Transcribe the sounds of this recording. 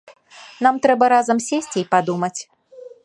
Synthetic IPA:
n̪amt̪ɾɛbɐɾazɐmsʲesʲt͡sʲipad̪umɐt͡sʲ

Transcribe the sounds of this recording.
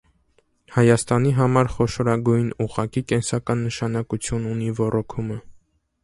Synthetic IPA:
hɑjɑst̪ɑniɦɑmɑɾχɔʃɔɾɑɡujnuʁɑkikɛnsɑkɑnːəʃɑnɑkut͡sʰjununivɔrɔkʰumə

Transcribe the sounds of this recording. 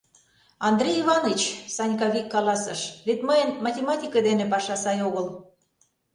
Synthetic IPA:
ɑnd̪rʲejivɑnɤt͡ɕsɑnʲkɑβʲikːɑlɑsɤ̆ʃβet̪məjənmɑtʲemɑt̪ʲikɤd̪enepɑʃɑsɑjoɣɤl

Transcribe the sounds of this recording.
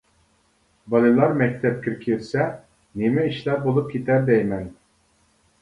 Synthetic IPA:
bɑlˠɨlˠɑɾmɛk̚ʲt̪ʰɛp̚kʲʰiɾkʲʰiɾsɛ | nemɛiʃlæɾbolˠup̚kʲʰet̪ʰæɾd̪ɛjmɛn

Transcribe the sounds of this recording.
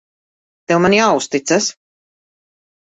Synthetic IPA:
t̪ɛwmanjaːust̪it̪sas

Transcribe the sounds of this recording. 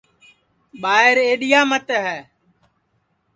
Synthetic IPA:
ɓaːɪɾeːɗɪjaːmət̪ɦɛː

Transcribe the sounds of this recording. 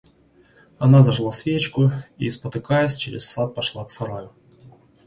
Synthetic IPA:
ɐnazɐʐlˠasʲvʲet͡ɕkʊispɐt̪ɪkajɛsʲt͡ʃɛɾʲɛ̰ssat̪̚pɐʂlˠaksɐɾajʊ

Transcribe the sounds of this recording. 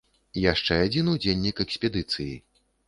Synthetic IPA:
jaʂt͡ʂɛad͡zʲinud͡zʲelʲːikɛksʲpʲɛd̪ɨt̪sɨji

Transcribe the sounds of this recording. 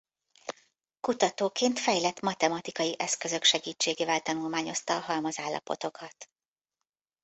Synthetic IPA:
kut̪ɒt̪oːkeːnt̪fɛjlɛt̪ːmɒt̪ɛmɒt̪ikɒjiʔɛskø̞zø̞kʃɛɡiːt͡ʃːeːɡeːvɛlt̪ɒnulmaːɲo̞st̪ɒːɦɒlmɒzaːlːɒ̰po̞̰t̪o̞kɒt̪

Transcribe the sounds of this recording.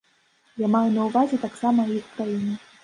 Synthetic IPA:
jʲamajunɐwvazʲɛt̪aksamɐwjixkɾajinʲɛ

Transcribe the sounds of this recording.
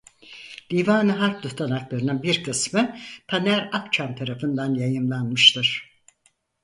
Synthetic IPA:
lʲiːvaːnɯɦak̚d̪uht̪ʰanaklˠaɾɯnɯnbiɾkʰɯsmɯpʰanæɾapt͡ʃʰamt̪ʰaɾafɯnd̪anjajɯmlˠanmɯʃt̪ʰɯɾ̥

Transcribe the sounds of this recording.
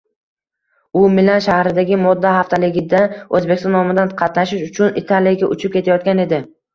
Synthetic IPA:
ʊmɪlanʃahɾɪd̪aɡʲɪmɒd̪ːahaft̪ʰalɪɡʲɪd̪aɵzbe̞kʲst̪ɒnːɒmɪd̪anqʰɑt̪naʃɪʃʊt͡ʃʰʊnɪt̪ʰalijaɡʲaʔʊt͡ʃʰɪp̚kʲe̞t̪ʰajɒt̪̚kʲane̞d̪ɪ

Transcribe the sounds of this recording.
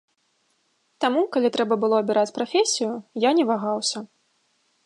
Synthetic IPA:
t̪amukalʲit̪ɾɛbɐbɨlˠɔɐbʲiɾat͡sʲpɾafʲesʲijʊjanʲɛvaɣawsʲɐ

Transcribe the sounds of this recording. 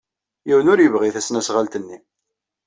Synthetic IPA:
jiwənʊɾjəvʁiθæsnæsʁalt̪ənːi

